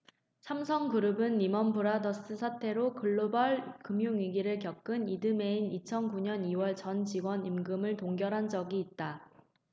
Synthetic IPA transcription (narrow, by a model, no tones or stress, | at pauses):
sʰamsʰʌŋkuɾɯbɯnːimʌnbuɾadʌs͈ɯsʰatʰe̞ɾokʰɯɭːobaɭkɯmjuŋɥiɡiɾɯɭkjʌk̚k͈ɯnidɯme̞init͡ɕʰʌnkuɲʌniwʌɭt͡ɕʌnt͡ɕiɡwʌnimɡɯmɯɭtoŋɡjʌɾɦand͡ʑʌɡiːt̚t͈a